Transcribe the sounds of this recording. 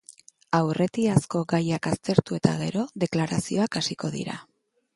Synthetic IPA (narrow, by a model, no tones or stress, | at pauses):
awre̞t̪iasko̞ɡajakast̪e̞ɾt̪ue̞kt̪a̰ɣe̞ɾo̞ðe̞klaɾasio̞akasiko̞ðḭɾa̰